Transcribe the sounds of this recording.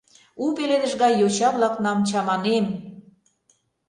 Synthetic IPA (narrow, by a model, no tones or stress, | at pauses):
upeled̪ə̆ʒɣɑjot͡ɕɑβlɑknɑmt͡ɕɑmɑnem